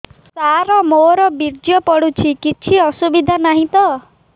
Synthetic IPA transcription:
saɾɔmoɾɔbiɾd͡ʒjɔpɔɽut͡ʃʰikit͡ʃʰiɔsubid̪ʱanaɦĩt̪ɔ

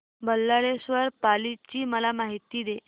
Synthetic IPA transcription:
bəlːaɽesʋəɾpalit͡ɕiːməlamaɦit̪iːd̪e

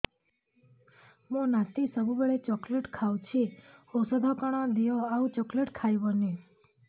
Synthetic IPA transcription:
mõnãt̪isəbubeɭet͡ʃɔkleʈkʰawt͡ʃʰiosəd̪ʱɔkaɽ̃ãd̪ijoaũt͡ʃɔkleʈkʰajʋoni

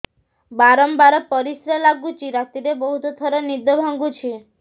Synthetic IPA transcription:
baɾɔmbaɾɔpɔɾisɾelaɡut͡ʃiɾat̪iɾebɔɦut̪ot̪ʰɔɾɔnid̪əbʱaŋɡũt͡ʃʰi

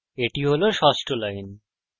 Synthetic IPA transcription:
eʈiɦoloʃɔsʈolajn

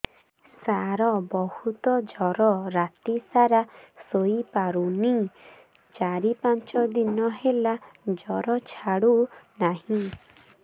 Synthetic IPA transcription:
saɾɔbɔhut̪ɔd͡ʒɔɾɔɾat̪isaɾasoipaɾuni | t͡ʃaɾipant͡ʃɔd̪inɔɦelad͡ʒɔɾɔt͡ʃʰaɽunaɦĩ

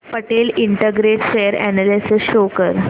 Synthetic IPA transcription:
pəʈeliɳʈəɡɾeʈɕejəɾɛ̰nelesɪsɕokəɾ

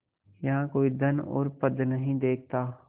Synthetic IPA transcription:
jɐɦãkoːid̪ɐnɔ̰ːɾpəd̪nɐɦĩd̪eːk̚ʰt̪aː

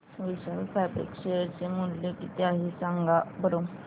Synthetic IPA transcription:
ʋiɕəlfabḛkɕejəɾt͡ɕemuljokit̪eaɦisãŋɡabəɾo

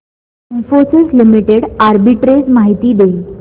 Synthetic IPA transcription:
infoɾsezlimiʈeɽaɾbiʈɾed͡zmaɦit̪iːd̪e

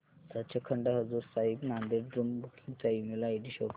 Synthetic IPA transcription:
sat̪̚t͡ɕʰakʰəɳɖaɦəd͡zuɾsaibnãnd̪eɾɖɾumbʱukʰit͡saimelaiʈiɕok

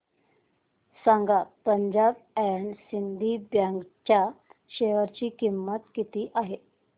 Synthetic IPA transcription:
saŋɡapəɲd͡ʑabɛɳsind̪ʱibjãŋɡt͡ɕjaɕeʋəɾt͡ɕiːkimːət̪kit̪iːʔaɦe

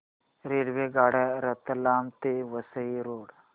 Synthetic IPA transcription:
ɾeːɽʋeɡaːɽaɾɐt̪ɐlaːmt̪eʋəsəiɾoːɽ

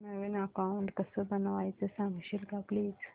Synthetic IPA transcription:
nəʋenəkauɳʈkəsəbənʋajt͡səsãŋɡɕilɡapliːd͡z

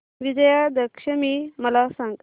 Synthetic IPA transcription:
ʋid͡ʑəjad̪əkʂəmiːməlasãŋɡ

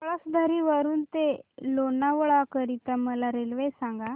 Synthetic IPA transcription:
ɭasud̪ʱaɾiʋəɾuːnt̪elonaʋɭakəɾit̪aməlaɾelʋesãŋɡa

